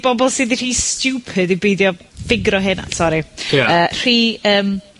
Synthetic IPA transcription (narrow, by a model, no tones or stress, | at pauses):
b̥ɔbɔlˠsɨðir̥iːstjuːpʰɨdibejdjɔ | fɪɡɾɔɦɪna̰sɔɾijaəːr̥iːəːm